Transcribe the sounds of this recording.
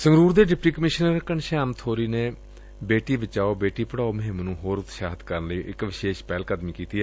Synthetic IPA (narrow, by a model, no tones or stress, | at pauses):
səŋɡɾuːɾd̪eːɖɪpʈiːkəmɪʃnəɾkəɳʃaːmt̪ʰoːɾiːneː | beːʈiːbɪt͡ʃaːoːbeːʈiːpəɽaːoːməɦɪmnũːɦoːɾʊt̪ʃaːɦət̪kəɾənləiːʔɪkʋɪʃeːʃpɛːlkəd̪mĩːkiːt̪iːɛː